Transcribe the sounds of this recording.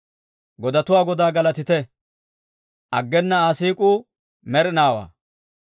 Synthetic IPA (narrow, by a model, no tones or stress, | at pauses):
ɡɔd̪ɐt̪ʊwaːɡɔd̪aːɡɐlɐt̪ɪt̪ɛ | ʔɐɡːɛnːɐaːsiːkʼuː | mɛɾɪnaːwa̰ː